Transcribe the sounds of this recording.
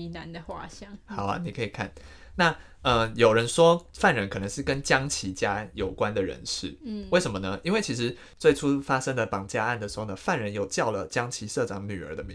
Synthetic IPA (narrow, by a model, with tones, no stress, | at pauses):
i˧na˧˦nd̪ə˧xwa˥˧ɕɑ˥ŋxɑ˨˩ʊɐ̰˦ni˨˩kʰə˧˥i˨˩kʰa̰˥˩n | na˥˨ | ə˧˩jo˨˩ʊɻə˧˦nʂwɔ˥fa˥˩nɻə˧˦nkʰɤ˨˩nə˧˦ŋʂɻ̩˥˩kə˦nt͡ɕjɑ˥ŋt͡ɕʰi˧˥t͡ɕja˦jo˨˩ʊkwa˦nd̪ə˨ɻə̰˧˥nʂɻ̩˥˩we˥˩ɪʂə˧˦mə˧nə˦ʔi˥nwe˥˩ɪt͡ɕʰi˧˥ʂɻ̩˧˦ | t͡swe˥˩ɪʈ͡ʂʰu˥fa˥ʂə˥ŋd̪ə˨pɑ˨˩ŋt͡ɕja˥˧a˥˩nd̪ə˩ʂɻ̩˧˥xo˥˩nə˧˦fa˥˨nɻə˧˦njo˨˩ʊt͡ɕjɑ˥˩ʊlə˩t͡ɕjɑ˥ŋt͡ɕʰi˧˥ʂɤ˥˨ʈ͡ʂɑ˨˥ŋny˨˩ə̰˞˧˥d̪ə˧mi˧˦